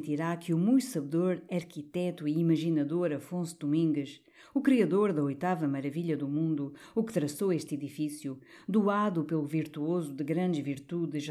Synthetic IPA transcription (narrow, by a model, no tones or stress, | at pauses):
t̪iɾakjumũjsɐβðoɾɐɾkit̪ɛt̪uiːmɐʒinɐðoɾɐfõsud̪umĩŋɡɨʃ | ukɾiɐðoɾðɐojt̪avɐmɐɾɐviʎɐðumũnd̪uukɨt̪ɾɐsoeʃt̪iðifisjud̪uaðupelˠuviɾt̪uozud̪ɨɣɾɐ̃nd̪ɨʒviɾt̪uðɨʃ